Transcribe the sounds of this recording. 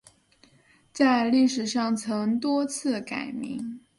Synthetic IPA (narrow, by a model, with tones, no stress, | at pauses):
t͡sa˥˧ɪli˥˩ʂɻ̩˨˩ʂɑ˥˩ŋt͡sʰɤ˧˥ŋt̪wɔ˥t͡sʰɹ̩˥˩ka˨˩ɪmḭ˧˥ŋ